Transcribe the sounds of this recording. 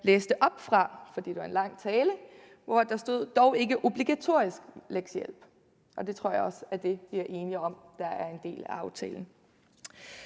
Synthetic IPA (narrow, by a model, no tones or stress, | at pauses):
leːsd̥əʔɒ̽b̥fʁɑ̈fɒ̽d̥ḭːd̥uæɐe̝nlɑ̈ŋ̰t͡sʰɛːlə | ʋɒæd̥ɑ̈sd̥o̝ð̰ˠd̥ɒʊe̝ɡ̥əʔo̝b̥liɡ̥æt͡sʰo̝̰ɐ̰isɡ̥leɡ̥sjel̰b̥ | ʔɒ̽d̥e̝t͡sʰʁo̝ɐ̰jaɒ̽sæd̥e̝ʋiæɐʔe̝ːniɒ̽md̥ɑ̈æɐe̝nd̥e̝̰ːlæɑ̈ʊt͡sʰɛ̰ːln̩